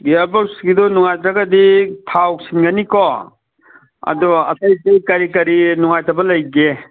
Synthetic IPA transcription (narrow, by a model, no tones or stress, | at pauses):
ɡiabɔsɡidɔnuŋajtɾaɡɐditʰawsinɡɐnikɔ | ɐ̰dɔɐ̰tɐjtejkɐɾikɐɾinuŋajtʰɐbɐlɐjɡe